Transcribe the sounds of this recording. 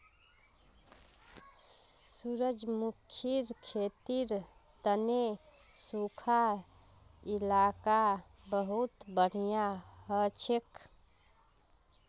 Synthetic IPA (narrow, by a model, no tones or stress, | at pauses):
suɾəd͡ʒmukʰiɾkʰet̪iɾ | t̪əne | sukʰa | ilaka | bəɦut̪bəɽ̤ijaɦət͡ʃʰek